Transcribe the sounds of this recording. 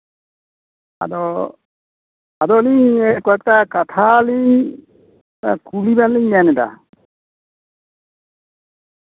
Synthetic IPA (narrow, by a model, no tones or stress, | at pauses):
a̰d̪ɔ | ad̪ɔliɲɛkɔat̪̚kakat̪ʰaliɲ | ta̰kulibanliɲanɛda̰